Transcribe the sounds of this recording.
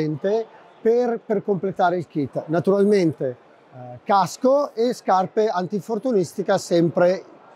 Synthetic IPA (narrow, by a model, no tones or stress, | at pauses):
ɛnt̪e | perperkomplet̪aːɾeilk̟it̪nat̪uɾalment̪e | kaskoeskarpeant̪ifort̪unist̪ikasɛmpɾe